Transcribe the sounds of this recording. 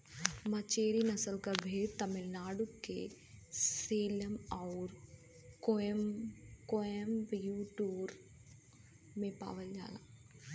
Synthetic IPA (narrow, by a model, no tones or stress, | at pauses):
mɐt͡ʃeːɾinɐsəlkɐbʱeːɾt̪ɐmɪlnaːɖukːe | seːləmɐːɾ | ko | koəmbjuːʈuːɾ | mẽpa̰ːʋəld͡ʒa̰ːla̰ː